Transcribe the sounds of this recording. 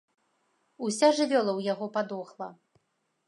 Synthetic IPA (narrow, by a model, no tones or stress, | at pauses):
usʲaʐɨvʲɔlˠɐwjaɣɔpad̪ɔxlˠɐ